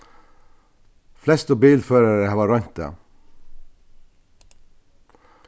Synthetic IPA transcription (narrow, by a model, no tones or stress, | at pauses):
flɛst̪əbiːlføːɾəɾəhɑːʋɑɾœnt̪ə̰